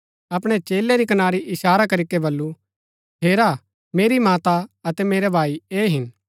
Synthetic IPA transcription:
ɐpɽ̃et͡ʃeːleɾikɐnaːɾiʔɪʃaːɾakɐɾikebɐlːu | ɦeːɾa | meːɾimaːt̪aɐt̪ɛmeːɾɛbʱaːieːɦɪn

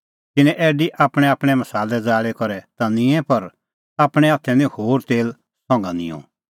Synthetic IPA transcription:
k̪ɪnɛ̃ʔɛːɖiʔaːpɽ̃ɛaːpɽ̃ɛmɐsaːlɛd͡zaːɭɛkɔɾɛt̪anɪ̃ɛ̃pɐɾ | aːpɽ̃ɛaːt̪ʰɛ̃nihoːɾt̪eːl | sɔ̃ŋɡa̰nɪ̰̃jɔ̰̃

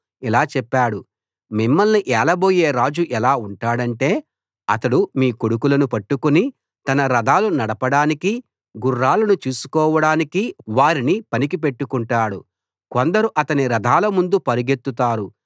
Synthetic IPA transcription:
ilaːt͡ʃɛpːaːɽu | mimːɐlniʔɛːlɐbo̞ːjeːɾaːd͡ʒuʔɛlaːuɳʈaːɽɐɳʈe̞ː | ɐt̪ɐɽumiːkoɽukulɐnupɐʈːukuni | t̪ɐnɐɾɐd̪ʱaːlunɐɽɐpɐɽaːniki | ɡurːaːlɐnut͡ʃuːsu̥kɔːʋɐɽaːnikiʋaːɾinipɐnik̬ip̬e̞ʈːukuɳʈaːɽu | kond̪ɐɾuʔɐt̪ɐniɾɐd̪ʱaːlɐmund̪upɐɾuɡet̪ːut̪aːɾu

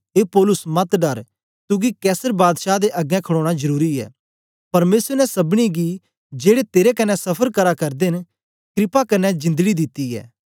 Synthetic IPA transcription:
eːpɔːlʊsmɐt̪ɖɐɾ | t̪ʊɡikɛːsəɾbaːd̪ʃad̪eʔɐɡɛ̃kʰəɽoːɽ̃azɐɾuːɾiɛ̰ː | pɐɾmeːsənɛsɐbɽ̃iɡi | d͡ʒeːɽet̪eːɾekɐnːɛsɐpʰəɾkɐɾakɐɾd̪en | kʰɪɾɪpakɐnːɛd͡ʒɪ̃nd̪əɡid̪ɪt̪ːiɛ̰ː

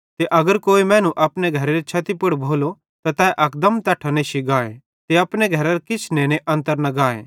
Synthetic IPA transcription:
t̪eʔɐɡəɾkoːimɛ̃ːnũʔɐpneɡʱɐɾeɾet͡ʃʰɐt̪ipʊɽbʱoːlo | t̪at̪ɛːʔɐk̚d̪ɐmt̪ɐʈʰaneʃiɡaːe | t̪eɐpɽeɡʱɐɾaɾkɪt͡ʃʰneːneʔɐ̃nt̪əɾnɐɡaːḛː

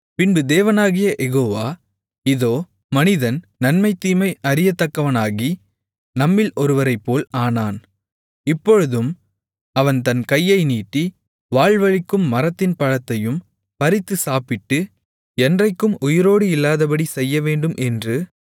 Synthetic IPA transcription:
pɪnbɯd̪eːʋɐnaːɣɪjɐʔɛɣoːʋaː | ɪðoː | mɐnɪðɐnnɐnmɐɪt̪ːiːmɐɪʔɐɾɪjɐt̪ːɐkːɐʋɐnaːɣi | nɐmːɪlʔɔɾɯʋɐɾɐɪpːoːlaːnaːn | ɪpːɔɻɯðɯm | ɐʋɐnt̪ɐnkɐjːɐɪniːʈːi | ʋaːɭʋɐɻɪkːɯmːɐɾɐt̪ːɪnpɐɻɐt̪ːɐjɯm | pɐɾɪt̪ːɯsaːpɪʈːɯ | ɛndrɐɪkːɯmʊjɪɾoːɽɯɪlːaːðɐp̬ɐɽisɛjːɐʋeːɳɖɯmʔɛndrɯ

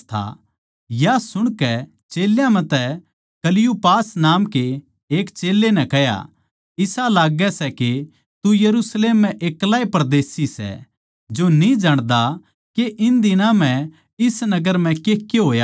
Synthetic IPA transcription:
t̪ʰa̰ | jasʊɽ̃kɛ | t͡ʃeːljãmɛ̃t̪ɛ | kɐlɪjupaːsnaːmke | eːkt͡ʃeːlːenɛ̃kɛɦja̰ | ɪsalaːɡɛsɛke | t̪ujɐɾusleːmːɛ̃ʔeːklaːepɾd̪eːsisɛ̰ | d͡ʒonid͡ʒaɽ̃d̪a | keʔɪnd̪ɪnãm̤ɛ̃ | ɪsnɐɡəɾm̤ɛ̃keːkːeɦoːja

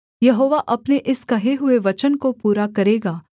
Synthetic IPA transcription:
jɐɦoːʋaʔɐpneʔɪskɐɦeɦʊeʋɐt͡ʃənkopuːɾakɐɾeːɡaː

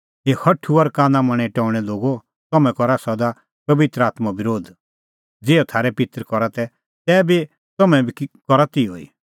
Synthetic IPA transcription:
eːhʰɐʈʰuɐɾkãːnãmɐ̃ɽ̃ɛʈɔːʊɽ̃ɛloːɡo | t̪ɔmɛ̃kɔɾasɔd̪a | pɐʋɪt̪ɾəaːt̪mabɪɾoːd̪ | d͡zeːɔt̪ʰaːɾɛpɪt̪ɾkɔɾat̪ɛ | t̪ɛːbi | t̪ɔmɛ̃bʱikɔɾat̪io̰ḭ

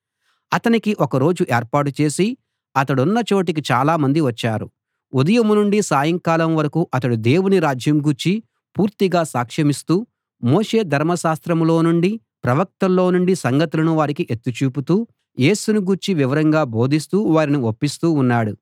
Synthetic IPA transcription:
ɐt̪ɐnikiʔɔkɐɾo̞ːd͡ʒuʔeːɾpaːʈut͡ʃe̞ːsi | ɐt̪ɐɽunːɐt͡ʃo̞ːʈ̬ikit͡ʃaːlaːmɐnd̪iʋɐt͡ʃːaːɾṵ | ud̪ɐjɐmunuɳɖisaːjɐŋkaːlɐmʋɐɾɐkuʔɐt̪ɐɽud̪e̞ːwuniɾaːd͡ʒjɐmɡuːɾt͡ʃi | puːɾt̪iɡaːsaːkʂɐmist̪uː | moːʂe̞ːd̪ʱɐɾmɐʃaːst̪ɾɐmlo̞ːnuɳɖi | pɾɐʋɐk̚t̪ɐlːo̞ːnuɳɖisɐŋɡɐt̪ulɐnuʋaːɾikiʔet̪ːut͡ʃuːp̬ut̪uː | je̞ːsunuɡuːɾt͡ʃiʋiʋɐɾɐŋɡaːbo̞ːd̪ʱist̪uːʋaːɾiniopːist̪uːnːaːɽu

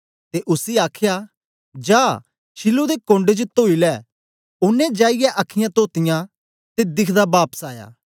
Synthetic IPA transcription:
t̪eʔʊsiaːkʰja | d͡ʒaː | ʃɪlod̪ekõːɳɖed͡ʒot̪oːilɛ | ʊnːɛ̃d͡ʒaːɪjɛʔɐkʰːɪjãt̪oːt̪ɪjã | t̪ed̪ɪkʰd̪abaːpə̥saːja̰ː

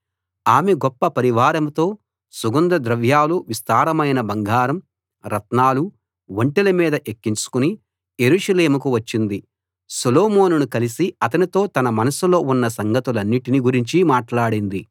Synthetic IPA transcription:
aːmeɡɔpːɐpɐɾiʋaːɾɐmt̪o̞ː | suɡɐnd̪ɾɐd̪ɾɐʋjaːluʋist̪aːɾɐmɐjnɐbɐŋɡʱaːɾɐm | ɾɐt̪naːlu | ʋɐɳʈelɐmiːd̪ɐʔekːint͡ʃu̥kuni | je̞ɾuːʂɐleːmuk̬uʋɐt͡ʃːind̪i | sɐloːmoːnunukɐlisiɐt̪ɐnit̪o̞ːt̪ɐnɐmɐnɐsulo̞ːunːɐsɐŋɡʱɐt̪ulɐnːiʈiniɡuɾiɲt͡ʃimaːʈlaːɽind̪i

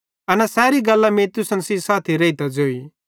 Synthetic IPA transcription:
ɐnasɛːɾiɡɐlːameːt̪ʊsənsisaːt̪ʰiɾɐit̪ad͡zoːi

